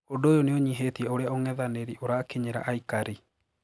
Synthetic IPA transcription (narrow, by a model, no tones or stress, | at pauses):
ondoːjoneoɲiɦetiɛoɾeaoŋɛðaneɾiʔoɾakeɲeɾa̰ʔaikaɾi